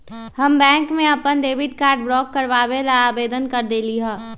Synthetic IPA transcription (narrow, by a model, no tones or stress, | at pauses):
hɐmbɛ̃ːŋkmẽɐpənɖeːʋɪɖkaːɾɖbɾɔːkːɐɾʋaːbelaaːbeːd̪ənkɐɾd̪eːliɦɛ̃ː